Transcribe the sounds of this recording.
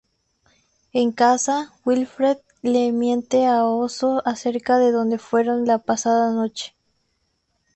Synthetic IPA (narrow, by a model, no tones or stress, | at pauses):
eŋkasawilfɾeð | lemje̞nt̪eaosoaseɾkaðeðond̪efweɾonlapasaðanot͡ʃe̥